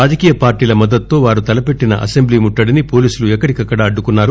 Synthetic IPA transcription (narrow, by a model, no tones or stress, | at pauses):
aːd͡ʒɐkiːjɐpaːɾʈiːlɐmɐd̪ːɐt̪t̪ːo̞ːʋaːɾut̪ɐlɐpe̞ʈːinɐ̰ʔɐ̰se̞mbliːmuʈːɐɽinipo̞ːliːsuluɛkːɐɽikɐkːɐɽaɐɖːukunːaːɾu